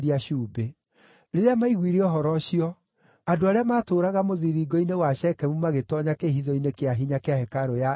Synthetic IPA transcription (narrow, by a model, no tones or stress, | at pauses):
ɾiaʃuːbe | ɾeɾeamaiɣwiɾeɔɦɔɾɔɕiɔ | adoaɾeamaːtoːɾaɣamoðiɾiɡɔinewaʃɛkɛmumaɣetɔɲakeɦiðɔinekeaɦiɲakeahɛkaɾoja